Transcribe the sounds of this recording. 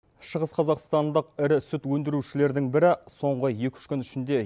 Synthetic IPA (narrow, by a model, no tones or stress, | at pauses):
ʃəʁəsqʰɑzɑqst̪ɑnd̪əqɪɾɪsʏt̪wɵnd̪ɪɾuʃɪle̞ɾd̪ɪŋbɪɾɪso̞ɴʁəje̞kʲʏ̥ʃkʲʏnʏʃɪnd̪e̞